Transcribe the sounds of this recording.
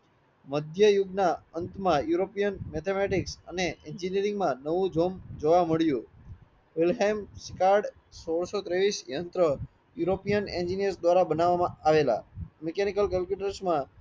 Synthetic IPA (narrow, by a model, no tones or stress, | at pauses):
məd̪ʱjəjʊɡnaənt̪mãjuɾopijənmet̪ʰemeʈiksə̰neend͡ʒinijəɾɪ̃ŋɡmãnəʋũd͡ʒomd͡ʒoʋaməɭjũ | ʋilɦemsikaɾɖ | soɽsot̪ɾeʋisjənt̪ɾə | juɾopijənḛ̃nd͡ʒinijəɾsd̪ʋaɾabənaʋamãaʋela̰mɛkenikəlkəlpjuʈəɾsmã